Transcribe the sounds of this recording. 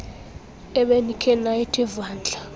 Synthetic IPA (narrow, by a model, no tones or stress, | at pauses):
ɛɓenikʰɛnaetʰʼɛvaːnd͡ɮʱa